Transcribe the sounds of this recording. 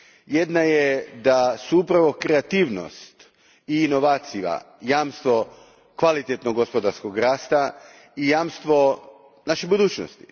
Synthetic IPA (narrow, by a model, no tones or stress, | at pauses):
jed̪najed̪asuupɾaʋo̞kɾeat̪iːʋno̰st̪ | iːno̞ʋaːt̪sija̰ | jaːmst̪ʋo̞ | kʋalit̪et̪noɡospo̞d̪aɾsko̞ɡɾaːst̪a | ijaːmst̪ʋo̞ | naʃebud̪uːt͡ɕno̰st̪i